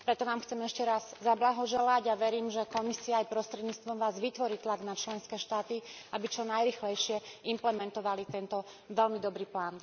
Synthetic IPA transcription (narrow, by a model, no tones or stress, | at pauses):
pɾɛt̪ɔʋaːmxt͡sɛmɛʃcɛɾazzablaɦɔʒɛlaɟaʋɛɾiːmʒɛkɔmisiaːjpɾɔst̪ɾɛd̪ɲiːt͡st̪ʋɔmʋaːzʋit̪ʋɔɾiːt̪laɡnat͡ʃlɛnskɛːʃt̪aːt̪iabit͡ʃɔnajɾiːxlɛjʃɪɛimplɛmɛnt̪ɔʋalit̪ɛnt̪ɔ | ʋɛlmid̪ɔbɾiːplaːn